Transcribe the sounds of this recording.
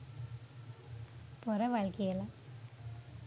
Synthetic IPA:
pɔrɐʋaːlkijɐla

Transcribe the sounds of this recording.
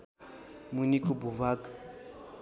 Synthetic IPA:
munikʼubuvakʼa

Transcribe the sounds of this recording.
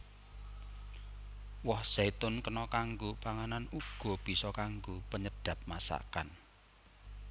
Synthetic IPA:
wɔhz̥ait̪ʊnkənɔkaŋɡopaŋananuɡ̥ɔ̤b̥i̤sɔkaŋɡopəɲəd̥ä̤p̚masa̰ka̰n

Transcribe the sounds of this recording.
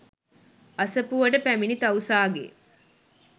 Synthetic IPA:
ɐsɐpuʋɐɖəpæminit̪ɐwusaːɡḛ

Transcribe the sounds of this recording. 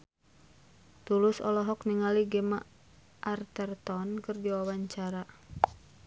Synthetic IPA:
t̪ulʊsɔ̰lɔɦɔkniŋaliɡɛma̰ | ʔart̪ɛrt̪ɔnkɨrdiwawaɲt͡ʃaɾa

